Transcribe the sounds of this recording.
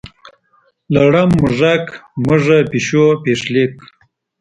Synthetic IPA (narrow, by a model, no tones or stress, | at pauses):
laɽamːʊʐakməʐapiɕopeʂlek